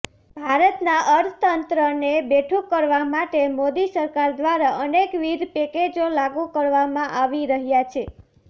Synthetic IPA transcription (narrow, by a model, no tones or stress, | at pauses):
bʱaɾət̪naʔəɾt̪ʰət̪ənt̪ɾənebeʈʰũkəɾʋamaʈemod̪isəɾkaɾd̪ʋaɾaʔənekʋid̪peked͡ʒolaɡukəɾʋamãʔaʋiɾəɦjat͡ʃʰe